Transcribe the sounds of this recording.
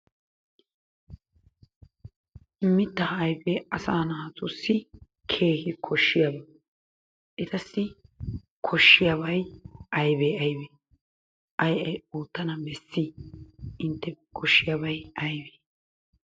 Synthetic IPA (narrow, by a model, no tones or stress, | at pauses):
ɪmːɪt̪ːɐhɐjbeːɐsaːnɐɐt̪ʊsːɪ | kʰeːhɪkʰɔʃːɪjɐbɐ | ʔɪt̪ɐsːɪ | kʰɔʃːɪjɐbɐjʔɐjbeːɐjbeː | ʔɐjʔɐjuːt̪ːɐnɐbɛsːɪ | ɪnt̪ːɛkʰɔʃːɪjɐbɐjɐjbeː